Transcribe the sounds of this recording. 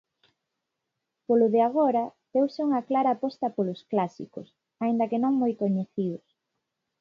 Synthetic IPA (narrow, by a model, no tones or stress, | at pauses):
polʊðeaɣ̞oɾɐd̪ewseuŋɐklaɾaːpɔst̪ɐpolʊsklasḭkʊ̰s | aind̪ɐkenõŋmojkoɲeθiʊs